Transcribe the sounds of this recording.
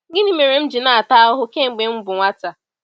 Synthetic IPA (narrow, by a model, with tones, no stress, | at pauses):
ɡɪ˦ni˦me˨ɾe˨m̩˦d͡ʒɪ˨na˨a˨ta˦ʊ˦ɦʊ˦ke˦ŋ͡m̩˨ɡ͡be˨ŋ͡m̩˦bʊ˨ŋʷa˦ta˨